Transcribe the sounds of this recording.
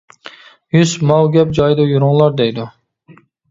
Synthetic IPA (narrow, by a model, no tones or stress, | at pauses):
jyzmɑwɡʲɛp̚d͡ʒɑjd̪ujuɾuŋlˠɑɾd̪ɛjd̪u